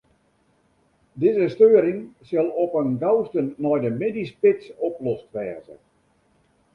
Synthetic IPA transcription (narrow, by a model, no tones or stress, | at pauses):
dɪzəstøːəɾɪŋsɪlˠɔpənɡawstənːɔjdəmɪdispɪtsɔplɔstʋɛːzə̰